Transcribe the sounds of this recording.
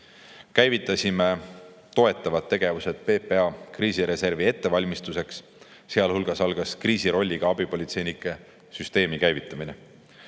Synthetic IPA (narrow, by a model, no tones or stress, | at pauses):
kæjvit̪ːˑɑsʲime̞ | t̪o̞e̞t̪ˑːɑvɑt̪ːe̞ɡ̥e̞vuse̞t̪̚pe̞ːpːe̞ɑkriːsiɾe̞se̞rvie̞t̪ːe̞vɑlʲmist̪use̞ksː | eɑlhulɡ̥ɑsɑlɡ̥ɑskriːsiɾo̞lʲːiɡ̥ɑɑb̥ipo̞lʲit̪se̞jnikːˑe̞ | syst̪e̞ːmikæjvit̪ːˑɑmine